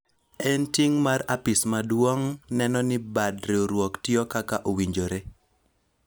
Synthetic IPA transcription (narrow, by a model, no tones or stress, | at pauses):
ɛntiŋmaɾapismadwɔŋnɛnɔnɪbadɾeoɾwɔktɪɔkakaʔowiɲd͡ʒoɾe